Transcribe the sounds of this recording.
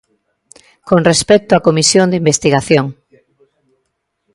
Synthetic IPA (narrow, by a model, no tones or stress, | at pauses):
koŋrespɛk̚t̪oakomisjõnd̪eimbest̪iɣaθjoŋ